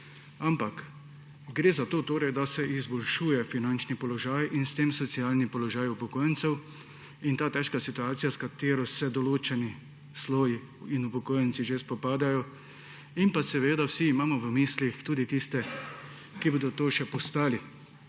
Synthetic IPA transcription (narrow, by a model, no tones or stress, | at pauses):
ampak | ɡɾeːzat̪oːt̪oːɾɛjd̪asɛʔizbɔlʃuːjɛfinant͡ʃnipɔlɔʒaːjʔinst̪eːmsɔt̪sijaːlnipɔlɔʒaːjupɔkoːjənsɛw | int̪aːt̪ɛʃkasit̪uaːt̪sijaskat̪eːɾɔsɛd̪ɔloːt͡ʃɛni | sloːji | inupɔkoːjənt̪siʒespɔpaːd̪ajɔ | impasɛʋeːd̪awsiːmaːmɔʋəmiːslixt̪uːd̪it̪ist̪ɛ | kiboːd̪ɔt̪oːʃɛpɔst̪aːli